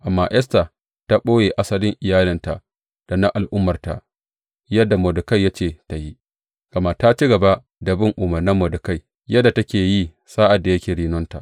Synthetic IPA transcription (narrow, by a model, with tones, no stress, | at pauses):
ʔa˨mːa˦ʔjʔɛ˦sta˨ | ta˦ɓʼoː˦jeː˨ʔa˦sɐ˦lɪ˦ŋʔɪ˨jaː˦lɪ˦nta˨ʔ | d̥a˨na˦ʔa˨lʔʊ˦mːɐ˨rta̰˨ʔ | jɐ˦dːa˨moː˨dʊ˨ka˦jːa˦t͡ʃeː˦˨ta˨ji˦ | ɡ̥ɐ˨ma˦˨ta˦t͡ʃi˦ɡɐ˨ba˦ | dɐ˨bɪ˦ŋʔʊ˨mɐ˨rnɐ˦mːoː˨dʊ˨ka˦j | jɐ˦da˨tɐ˦kʲeː˨ji˦ | saː˦ʔa˨dːa˨jɐ˦kʲeː˨ɽiː˦nɔ˦nta̰˨ʔ